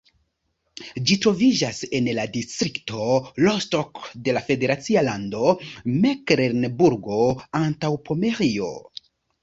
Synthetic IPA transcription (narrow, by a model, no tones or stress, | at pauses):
d͡ʒitɾo̞vid͡ʒase̞nladistɾikto̞lostokde̞lafe̞de̞ɾat͡sialando̞mekɾeɾnbuɾɡo̞antawpʰo̞meɾio̞̰